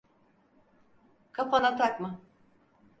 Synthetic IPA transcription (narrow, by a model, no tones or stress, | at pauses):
kʰaponat̪ʰakma